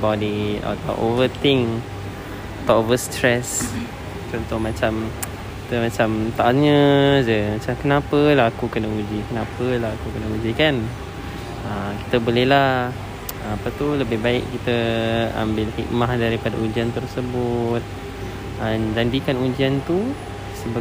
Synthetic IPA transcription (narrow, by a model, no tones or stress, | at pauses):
bɔdia̰t̪awʔo̰vət̪ɪŋ | at̪awovəst̪ɾɛs | t͡ʃɔnt̪ʊhmat͡ʃam | kit̪əmat͡ʃamt̪aʔaɲə̃d͡ʒəmat͡ʃamkənãpəlaɦakukənəud͡ʒikənãpəlaɦakukənəud͡ʒikan | əmki̥t̪əbolɛhla | əmapat̪uləbɪhbaɪʔkit̪əa̰mbɪlfḭt̪̚mahdaɾipadaud͡ʒiant̪ərsəbʊt̪̚ | ənd͡ʒandikanud͡ʒiant̪u | səba